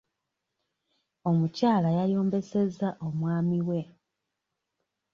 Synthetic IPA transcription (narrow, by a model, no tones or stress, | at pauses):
o̞mucaːlajajo̞ːmbe̞se̞zaʔo̞mwaːmiwe̞